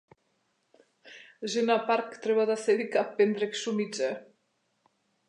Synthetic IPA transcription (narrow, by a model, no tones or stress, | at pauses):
ʒenapaɾkt̪ɾeβaðaseðikapːend̪ɾeksumid͡ʒe